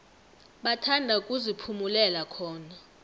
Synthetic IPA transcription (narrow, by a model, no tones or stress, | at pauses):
ɓatʰandʱaukʼuzipʰumulɛlakʰɔːna